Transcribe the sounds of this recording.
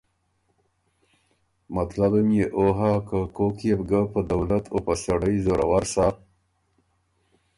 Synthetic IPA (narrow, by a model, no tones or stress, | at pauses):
mat̪labamjeʔoɦakakokjebɡapəd̪awlat̪opasaɽəjzoɾa̰waɾsa